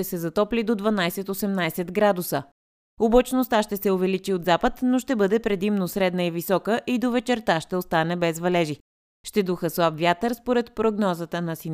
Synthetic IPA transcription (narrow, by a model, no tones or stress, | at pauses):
ɛsɛzɐt̪ɔplid̪od̪vɐnajsɛt̪osɛmnajsɛt̪ɡɾad̪usə | obot͡ʃnost̪aʃt̪ɛsɛovɛlit͡ʃiod̪zapət̪noʃt̪ɛbɤd̪ɛpɾɛd̪imnosɾɛd̪nəivisɔkəʔid̪ovɛt͡ʃɛɾt̪aʃt̪ɛost̪anɛbɛzvɐlɛʒi | ʃt̪ɛd̪uxəslˠabvʲjat̪əɾspoɾɛt̪pɾoɡnɔzət̪ənɐsin